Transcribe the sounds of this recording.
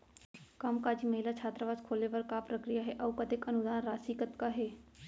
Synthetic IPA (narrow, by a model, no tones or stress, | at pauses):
kamkaːd͡ʒimɐɦɪlat͡ʃʰaːt̪ɾəʋaːzkʰoːleʋɐɾkapɾɐkɾijaɦɛʔɐʋkɐt̪ɪkɐnʊd̪aːnɾaːsikət̪kaɦɛː